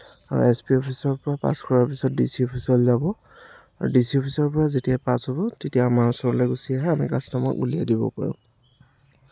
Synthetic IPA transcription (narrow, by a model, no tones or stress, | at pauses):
aɹṵɛspiɔpʰisɔlpɔɹapa̰skʰɔɹaɹpisɔt̚disiɔpʰisɔlzabɔ | aɹudisiɔpʰisɔɹpɔɹazetijapasɦɔbɔtetijaːmaɹɔsɔɹɔlɛɡusiaɦɛamḭkasnamɔ̰kṵlija̰dibɔ̰pa̰ɹʊ̰̃